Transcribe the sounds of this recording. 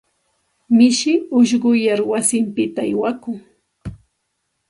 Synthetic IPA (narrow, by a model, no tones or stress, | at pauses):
mɪʃɪʊʃɢʊjaɾwasɪmpɪt̪aajwakʊŋ